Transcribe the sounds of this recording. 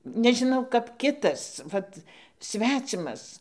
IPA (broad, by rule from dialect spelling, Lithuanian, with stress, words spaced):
nʲɛʒʲɪˈnɐʊ kɐp ˈkʲɪtɐs ˈʋɐt ˈsʲʋʲæːt͡sʲɪmɐs